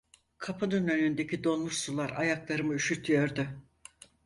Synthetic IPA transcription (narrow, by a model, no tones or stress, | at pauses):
kʰapʰɯnɯnø̞nynd̪e̞cʰid̪o̞nˠmuʃsulˠaɾa̰jaklˠaɾɯmɯyʃyɾt̪ʰyjo̞ɾd̪ʊ